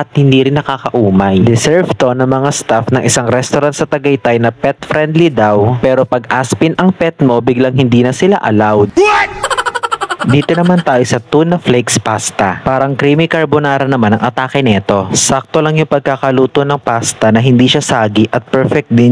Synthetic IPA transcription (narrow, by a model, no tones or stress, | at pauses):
ʔɐt̪̚hɪnd̪iːɾɪnːɐkaːkɐʔuːmɐjd̪ɪsɛɹvt̪o̞nɐŋmɐŋast̪afnɐŋʔɪsaŋɾɛst̪oɾant̪̚sɐt̪ɐɡɐjt̪ajnɐpɛt̪fɾɛnd̪lid̪awpɛːɾo̞pɐɡʔaspɪnʔɐŋpɛt̪mo̞bɪɡlɐŋɦɪnd̪iːnɐsɪlaʔɐ̰lawd̪̚ | d̪iːt̪onɐmant̪aːjosɐt̪unːɐflejkspast̪ɐpaːɾɐŋkɾimɪkɐɹbonaːɾɐnɐmanɐŋʔɐt̪aːkɪnɛt̪o̞sak̚t̪o̞lɐŋjʊŋpɐɡ̚kaːkɐluːt̪onɐŋpast̪ɐnɐɦɪnd̪iːʃasaːɡiʔɐt̪̚pɛɹfɛk̚t̪̚d̪ɪn